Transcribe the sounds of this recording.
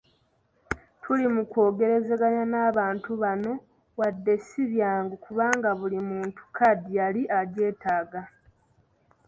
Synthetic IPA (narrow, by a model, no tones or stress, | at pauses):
tʰulimuko̞ːɡe̞ɾe̞ze̞ɡaɲanaːβaːntuβano̞ | wadːe̞siβjaːŋɡokuβaːŋɡaβulimuːntu̥kʰadijaliʔaɟe̞ːtaːɡa